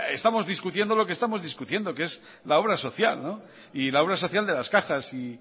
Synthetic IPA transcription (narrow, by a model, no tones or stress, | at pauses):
est̪amo̞zðiskut̪je̞nd̪o̞lokest̪amo̞zðiskut̪je̞nd̪o̞kee̞z | lao̞βɾaso̞θjalno | ilao̞βɾaso̞θjald̪e̞laskaxasi